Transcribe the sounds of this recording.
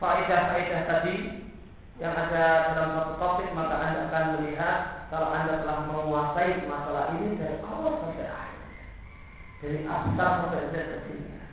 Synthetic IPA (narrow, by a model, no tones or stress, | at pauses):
faʔidahfaidaht̪adi | jaŋadasədaməɾat̪ət̪afɪʔmakaʔandaːkanməliɦat̪̚kalowʔandat̪əlahməŋuasaimasalaɦinidaɾikɔɾɔsad͡ʒaʔahɪ̰r | d̥aɾiʔafsaatad͡ʒat̪̚kət̪inia̰